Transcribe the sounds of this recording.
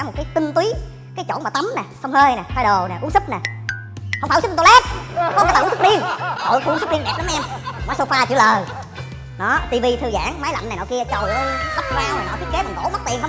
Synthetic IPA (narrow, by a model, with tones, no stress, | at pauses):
a˨˦m̚˨˩kaː˨˦jt̪i˧ŋt̪wi˨˦ | kaː˨˦jt͡ɕo̰˧˦maː˨˩t̪a˨˦mnɛ˨˩sə˧wŋ͡mhəː˧jnɛː˨˩t̪a˧jɗo˨˩nɛ˨˩ʔŋnsɨ˦˥nɛː˨˩hə˧ŋ͡mfaː˧˩˧o˧la˦˥p̚ɔ˧˦waː˧˦˩aː˨˧˦nsʰɨ˥˧i˧əŋh̪o̰˧˨jxŋsɨ˦˥vi˧nɗɛː˨˩p̚ɗa˨˦ʔɛ˧mmaː˨˦jso˧faː˧t͡ɕɨ̰˧˩ələː˨˩j | nɔ˨˦t̪i˧vi˧t̪ʰɨ˧za̰ː˧˥ŋ˧maː˨˦jla̰˧˨na˨˩jnɔ̰˨˩wki˧ət͡ɕə˨˩wə˨˦jla˦˥p̚zwaː˧whaː˨˩nɔ˨˦t̪i˦˥t̚ke˨˦ɓa˨˩ŋt̪o̰˧˩˦ma˦˥k̚t̪ḭ˨ənʰə˧ŋ͡m